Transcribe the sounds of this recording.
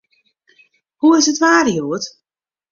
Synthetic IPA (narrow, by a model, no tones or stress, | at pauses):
huɪsətʋaːrjuət